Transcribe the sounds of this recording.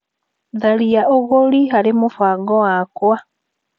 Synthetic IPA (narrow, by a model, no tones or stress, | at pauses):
ðaliaʔoɣolixalimufwaːɡɔwakwa